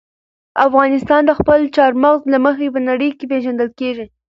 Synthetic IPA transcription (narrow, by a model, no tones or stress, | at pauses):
afɣɑnɪst̪ɑnd̪əxpəlt͡ʃɑɾmaɣzlaməxepənaɽəjkep̬eʒand̪əlkeʒi